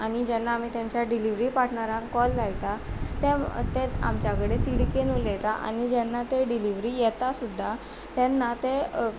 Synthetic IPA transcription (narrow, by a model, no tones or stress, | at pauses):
aɽ̃id͡ʑɛnːaːm̤iːt̪jãɲt͡ɕjaɖiliʋɾipaʈʰɳaɾãŋkkːɔlːajit̪at̪et̪ea̰mt͡ɕjakəɽet̪iɽikenulɛt̪aʔa̰ɽ̃id͡ʑɛnːat̪eɖiliʋɾijɛt̪asud̪ʱːa | t̪ɛnːat̪e